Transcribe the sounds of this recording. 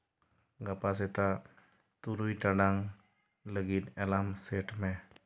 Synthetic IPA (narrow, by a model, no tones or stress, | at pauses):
ɡapas̬et̪a | t̪uɾujʈaɖaŋ | ləɡit̪ɛlamseʈmẽ